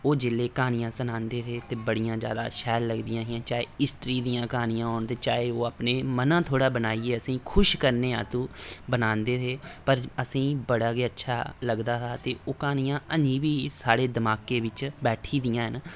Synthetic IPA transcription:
oːd͡ʒɪleːkaːnɪjãːsənãːnd̪eːt̪ʰeːt̪eːbəɽijãːzja̰ːd̪a̰ːʃɛːlləɡd̪ɪjãːɦɪãːt͡ʃaːeːɪsʈ̪ɾiːd̪ijãːkaːnɪjãːɦoːnt̪eːt͡ʃaːeːoːaːpneːmənãːt̪ʰoːɽaːbənaːieːəsĩːkʰʊʃkəɾneːã̰ːt̪ũːbənãːnd̪eːt̪ʰeːpəɾəsĩːbəɽaːɡeːətːʃʰaːləɡd̪aːt̪ʰaːt̪eːʔoːkaːnɪjãːəɲiːʋiːsaːɽeːd̪əmaːkeːʋɪt͡ʃbɛːʈʰiːd̪ijãːɦən

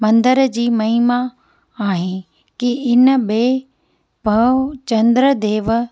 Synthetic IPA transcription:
mɐ̃nd̪əɾd͡ʑiːmɐɦima | aːɦɪnɪ | kiɪnəɓeː | pɐt͡ɕɐ̃nd̪ɾəd̪eːʋ

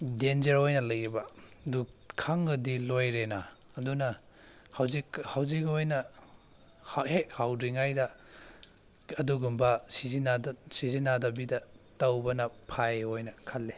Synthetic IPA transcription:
denzɐɾojnɐlɐjibɐdu | kʰaŋɡɐdilojɾenaː | dunɐ | hawzikhawzikojnɐ | hhehawdiŋajdɐ | ɐduɡumbɐsizinadsizinadɐbidɐtɐwbɐnɐpʰajojnɐkʰɐlːe

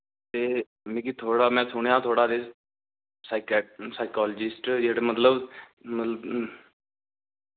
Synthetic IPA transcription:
t̪eː | mĩːk̬it̪ʰoːɽaːmɛ̃ːsʊɳjãːt̪ʰoːɽaːd̪eː | saːɪkːsaːɪkaːləd͡ʒɪsʈd͡ʒeːɽemət̪ləb | mət̪lə

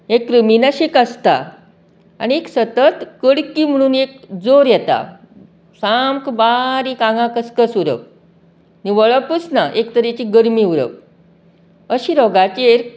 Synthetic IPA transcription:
ekːɾəminaɕekəst̪a̰ | a̰nieksət̪ət̪kəɽkim̤əɽ̃uːnek̚d͡zoɾjɛt̪a̰ | samkbaɾikãŋɡãkəskəsuɾə̰w | niʋəɭəpusnaʔekt̪əɾet͡ɕiɡəɾmiuɾə̰p | əɕiːɾɔɡat͡ɕeɾ

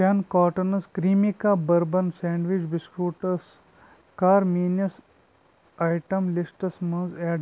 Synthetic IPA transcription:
ankaːʈɐnɐskɾiːmikaːbɐɾbɐnsẽːɳɖʋid͡ʒbiskɾuːʈɐs | kaːɾmiːnjɐs | aːjʈɐmlisʈɐsmɐ̃nzeːɖ

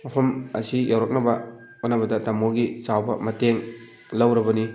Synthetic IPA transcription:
mɐpʰɐmɐ̰sijawɾot̚nɐbɐ | onːɐbɐdɐtɐmoɡit͡ʃawbɐmɐteŋ | lɐwɾɐbɐni

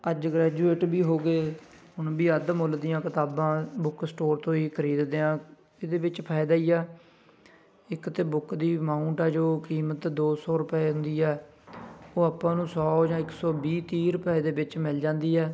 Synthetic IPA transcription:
əd͡ʒɡɾɛːd͡ʒuːeːʈbiːɦoːɡeː | ɦʊnbiːəd̪mold̪ijãːkɪt̪aːbãːbʊksʈoːɾt̪õːiːkʰəɾiːd̪d̪eːãː | ed̪eːbɪt͡ʃpʰaːɪd̪aːiːɛː | ɪkt̪eːbʊkd̪iːmãːʊɳʈɛːd͡ʒoːkiːmət̪d̪oːsɔːɾʊpeːɦʊ̃nd̪iːɛː | oːəpãːnũːsɔːd͡ʒãːɪksɔːbiːt̪iːɾʊpɛeːd̪eːbɪt͡ʃmɪld͡ʒãːnd̪iːɛː

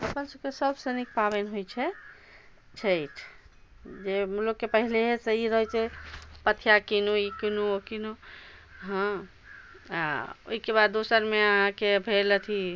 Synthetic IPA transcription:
əpənsəb̚kesəbsənik̚pabenɦojt͡ʃʰɛ | t͡ʃʰəjtʰ | d͡ʒemlokːepəɦileɦeseiɾəɦɛt͡ʃʰɛpət̪ʰːjakinuikinuokinu | ɦə̃ | a̰o̰ɦikebad̪ːosəɾmeəɦãkebʱelət̪ʰi

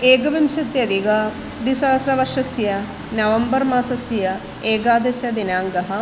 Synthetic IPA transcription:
eːɡɐʋimʃɐt̪jɐd̪iɡɐ | d̪isɐɐsɾɐʋɐʃɐsjɐ | nɐʋɐmbɐɾmaːsɐsjɐ | eːɡaːd̪ɐsjɐd̪inaːŋɡɐɦɐ̆

